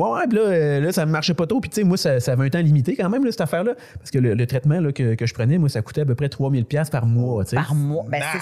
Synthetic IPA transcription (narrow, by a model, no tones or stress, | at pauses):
wɛwɛpilʌølʌsaməmaʁʃɛpɔt̪ʁopi̥tt͡semwasasaːvɛɛ̃t̪ãlimit̪ekɑ̃mɛ̃mlʌsɛ̥t̪afɛːʁlʌ | pḁʁskələlət̪ʁɛt̪mãlʌkʲəkəʒə̥pʁənɛmwasaku̥t̪ɛapøpʁɛt̪χwɑmɪlpjaspaʁmwɔt͡semwbɛ